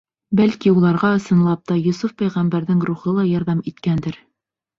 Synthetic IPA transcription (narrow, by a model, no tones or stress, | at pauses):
bælkiulˠɑɾʁɑɤ̆sɤ̆nlˠɑp̚t̪ɑjɵ̆sufpæjʁæmbæɾðɘŋɾuχɤlˠɑjɑɾðɑmit̪kænd̪ɘɾ